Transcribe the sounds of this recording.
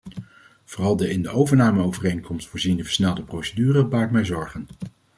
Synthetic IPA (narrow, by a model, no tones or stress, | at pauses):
v̥oːrɑlˠdəɪndəʔowvəɹnaːməowvərejnkɔmstfʊːɹzindəvə̥ɹsnɛlˠdəprowsədyːrəbaːɹkmɛjzɔɹχən